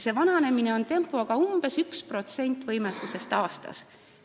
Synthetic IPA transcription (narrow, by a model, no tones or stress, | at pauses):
se̞vɑnɑne̞mineo̞nt̪e̞mpːˑoɑɡ̥ɑumb̥e̞sykspro̞t̪se̞nʲt̪ːˑvɤjmek̪ːˑuse̞st̪ɑːst̪ɑ̰s